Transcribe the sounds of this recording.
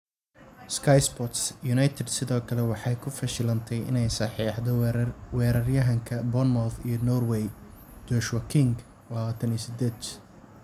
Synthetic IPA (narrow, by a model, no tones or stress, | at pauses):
skʰɐjsbɔt̪sjʊnɐjt̪ʰɛd̪sɪðɔːkʰɐlɛwɑħɑjkʰʊfɐʃɪlɐnt̪ʰɛjɪ̰nɛjsɐħiːħd̪ɔwɛːɾɐrjɐɦɐŋkʰɐbɔnmɔfijɔnɔrwɛj | d͡ʒɔʃwɐkʰɪŋɡ | wɑːt̪ʰɐniːsɪd̪ɛːd̪